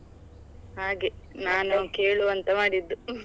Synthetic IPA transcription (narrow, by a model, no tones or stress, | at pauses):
ɦaːɡenaːnuke̞ːɭuʋɐnt̪ɐmaːɽid̪ːu